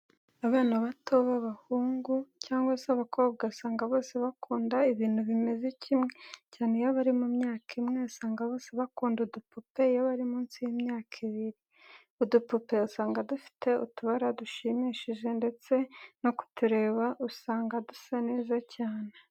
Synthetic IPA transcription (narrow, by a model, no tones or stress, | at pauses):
aβaːnaβatʰo̞βaβahuːŋɡucaːŋɡwasaβako̞ːβ̚ɡausaːŋɡaβo̞ːse̞βakʰuːndaiβiːnhuβime̞zecʰimŋe̞caːne̞jaβaɾimumɲaːkʰimŋe̞usaːŋɡaβo̞ːseβakuːndudupupe̞jaβaɾimuːnsijimɲaːkʰiβiɾi | udupupe̞usaːŋɡadufi̥tʰe̞ṵtuβaɾaduʃimiːʃiʒe̞nde̞t͡se̞no̞ku̥tuɾe̞ːβaʔusaːŋɡadusaneːzacaːne